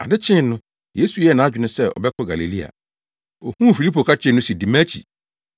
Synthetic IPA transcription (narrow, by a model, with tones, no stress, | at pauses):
a̰˨dɪ˦t͡ɕʰɪ̃˦n˦nʊ̃˦ | je˦su˨jɛ˦˨nã˨˦a˦d͡ʑᶣɪ˨nʊ̃˦sɛ˦˨ɔ̰˨bɛ˦kʰɔ˦ɡa˨le˨li˦a̰˨ | o˨hũ˦˨fi˨li˦pʰo˨kʰa˦t͡ɕʰᶣɪ̃˦˨nʊ̃˦si˨di˨mæ̃˦t͡ɕʰḭ˨